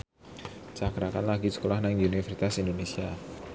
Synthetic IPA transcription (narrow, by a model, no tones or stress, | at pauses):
t͡ʃakɾakanlaɡisə̥kolahnaŋunifərsit̪asindonesia